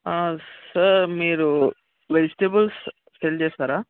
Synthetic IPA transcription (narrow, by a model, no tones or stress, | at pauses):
aːsɐɾmiːɾu | ʋed͡ʒʈeːbɐls | ʈelt͡ʃeːsaːɾaː